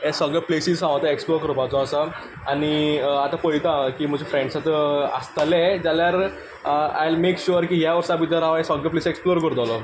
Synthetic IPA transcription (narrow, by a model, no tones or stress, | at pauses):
esɔɡeplesizɦãʋt̪aeksploɾkəɾpat͡sɔːsa | aniat̪apəjt̪akiːm̤əd͡ʑʱefɾẽɳɖsat̪a̰st̪alẽd͡zaljaɾ | a̰jlmekɕuɾkiːɦjaʋəɾsapʋit̪aɾaʋaesɔɡəpleseksploɾkəɾt̪ɔlɔ